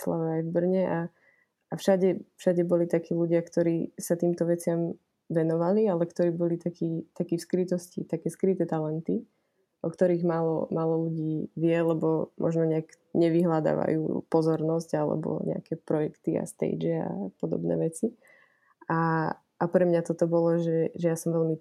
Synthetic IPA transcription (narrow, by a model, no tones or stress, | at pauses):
sla̰ʋɛajvbr̩ɲɛʔa | afʃaɟɛfʃaɟɛbɔlit̪akiːluɟɪakt̪ɔɾiːsat̪iːmt̪ɔʋɛt͡sɪam | ʋɛnɔʋalialɛkt̪ɔɾiːbɔlit̪akʰiːt̪akiːfskɾit̪ɔscit̪akɛːskɾit̪ɛːt̪alɛnt̪i | ʔɔkt̪ɔɾiːɣmaːlɔ̰maːlɔluɟiːʋɪɛlɛbɔmʔɔ̰ʒnɔɲɛak | ɲɛʋiɦlad̪a̰ːʋa̰jṵːpɔzɔɾnɔsɟalɛ̰bɔ̰ɲɛ̰a̰kɛpɾɔjɛkt̪ia̰st̪ɛ̰d͡ʒɛa̰pɔd̪ɔ̰bnɛ̰ːʋɛt͡si | a | ʔːpɾɛmɲat̪ɔt̪ɔbɔlɔʒɛʒɛjasɔmʋɛlmi